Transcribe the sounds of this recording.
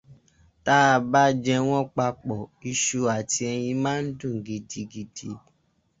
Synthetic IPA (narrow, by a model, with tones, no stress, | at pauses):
ta˦˧ba˦d͡ʒɛ˧w̃ɔ̃˦k͡pa˧k͡pɔ˨i˧ʃu˧a˨ti˧ɛ˧j̃ĩ˧mã˦n̩˦dũ˦˨ŋ˨ɡi˧di˧ɡi˧di˧